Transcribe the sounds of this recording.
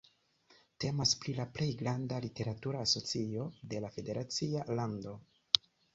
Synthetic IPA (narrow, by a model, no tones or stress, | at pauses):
te̞maspɾilaple̞jɡɾandalite̞ɾatuɾaːso̞t͡sio̞de̞lafe̞de̞ɾʔat͡sialando̞